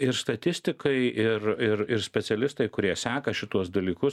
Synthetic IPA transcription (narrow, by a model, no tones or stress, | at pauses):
ɪɾst̪ɐt̪ʲɪsʲt̪ʲɪkɐɪɪrɪɾɪɾsʲpʲɛt̪sʲɛlʲɪst̪ɐɪkʊɾʲiɛsʲæːkɐʃʲɪt̪uɔsd̪ɐlʲiːkʊs